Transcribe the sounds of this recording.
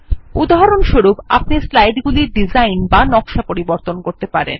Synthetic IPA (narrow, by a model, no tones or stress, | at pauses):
ud̪aɦaɾonʃoɾupa̰p̚nislajɖɡuliɾɖid͡ʑajnbanɔkʃapoɾiboɾt̪onkoɾt̪epaɾḛn